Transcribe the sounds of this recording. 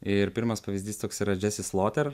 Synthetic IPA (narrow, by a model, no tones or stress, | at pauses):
ɪɾpʲɪɾmɐspɐʋʲɪzʲd̪ʲiːst̪oːksiːɾɐd͡ʒʲæːsʲɪslˠoːt̪ʲɛɾ